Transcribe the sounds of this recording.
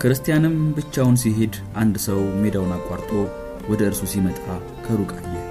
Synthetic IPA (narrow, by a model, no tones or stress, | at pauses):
kʰɨɾɨst̪ʰijanɨmbɨt͡ʃːawnsiɦe̞d̪ | ʔand̪səwme̞d̪awnakʼwaɾt̪ʼo̞ | wɔd̪əɨɾsusimət̪ʼa | kʰəɾukʼaɲːɛ